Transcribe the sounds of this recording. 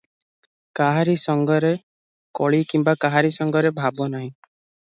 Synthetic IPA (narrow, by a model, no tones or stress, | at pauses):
kaɦaɾisɔŋɡɔɾe | kɔɭikimbakaɦaɾisɔŋɡɔɾebʱabɔnaɦĩ